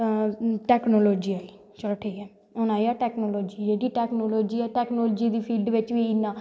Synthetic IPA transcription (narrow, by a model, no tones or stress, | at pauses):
ʈɛːknoːloːd͡ʒiːaːi | t͡ʃəʈʰeiɛː | ʊnaːiaːʈɛːknoːloːd͡ʒiːd͡ʒeːɖiːʈɛːknoːloːd͡ʒiːɛːʈɛːknoːld͡ʒiːd̪iːpʰiːlɖʋɪt͡ʃʋiːɪnːaː